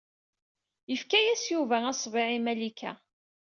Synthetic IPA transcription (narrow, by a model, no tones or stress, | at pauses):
jəfkæjæsjuvææsˤvɪʕimælikʰæ̰